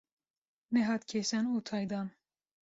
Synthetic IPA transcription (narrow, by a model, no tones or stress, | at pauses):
nɛɦɑːt̪kʲʰesɛnuːt̪ʰɑːjd̪ɑːn